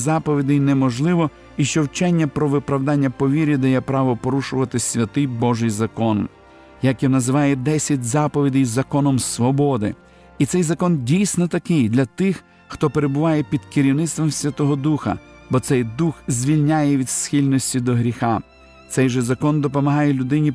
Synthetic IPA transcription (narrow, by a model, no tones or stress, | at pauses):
zɑpɔʋʲid̪ɪjnɛmɔʒlˠɪʋɔ | iʃt͡ʃɔwt͡ʃɛnʲːɐpɾɔʋɪpɾɐwd̪ɑnʲːɐpɔʋʲiɾʲid̪ɐjɛpɾɑʋɔpɔɾuʃʊʋɐt̪ɪsʲʋʲɐt̪ɪjbɔʒɪjzɐkɔn | jɐkjɔnɐzɪʋɑjɛd̪ɛsʲɐtʲzɑpɔʋʲid̪ʲɪjzɐkɔnɔmsʋɔbɔd̪ɪ̰ | it̪sɛjzɐkɔndʲijsʲnɔt̪ɐkɪjd̪lʲɐt̪ɪx | xt̪ɔpe̞ɾebʊʋɑjɛpʲid̪kɪɾʲiwnɪt̪st̪ʋɔmsʲʋʲɐt̪ɔɦɔd̪uxɐ̰ | bɔt̪sɛjd̪uxzʲʋʲilʲnʲajɛʋʲid̪sxʲilʲnɔsʲtʲid̪ɔɦɾʲixɑ | t̪sɛjʒɛzɐkɔnd̪ɔpɔmɐɦɑjɛlʲʊd̪ɪnʲi